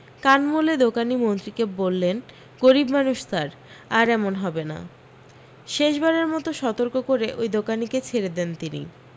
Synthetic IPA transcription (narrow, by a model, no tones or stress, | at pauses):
kanmoled̪okanimont̪ɾikebolːen | ɡoɾibmanuʃt̪aɾ | aɾɛmonɦɔbena̰ | ʃeʃbaɾeɾmɔt̪oʃɔt̪oɾkokoɾeʔojd̪okaniket͡ɕʰeɾed̪ent̪inḭ